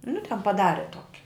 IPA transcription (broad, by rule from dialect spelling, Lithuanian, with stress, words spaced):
nʊ tʲɛn pɐˈdɑːrʲɛ ˈtoːkʲɪ